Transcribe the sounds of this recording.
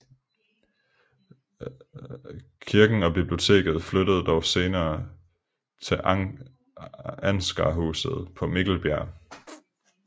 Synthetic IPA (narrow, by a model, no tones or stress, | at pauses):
kʰiɐɡ̥n̩ɒ̽b̥ib̥lio̝t͡sʰe̝̰ːɡ̥ð̞̩ˠfløɾ̥əð̩ˠd̥ɒʊse̝ːnɐː | t͡sʰe̝lʔ | ænsɡ̥ɑ̰ɦṵːsð̞̩ˠpʰɒ̽meɡ̥l̩b̥jæɐ̰